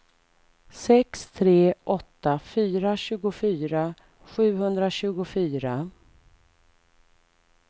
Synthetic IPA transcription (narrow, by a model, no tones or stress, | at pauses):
sɛkst̪ʰɾeːʔɔt̪ːafyːɾaɕʉ̟ːɡʊfyːɾa | ɧʉ̟ːhɵnd̪ɾaɕʉ̟ːɡʊfyːɾa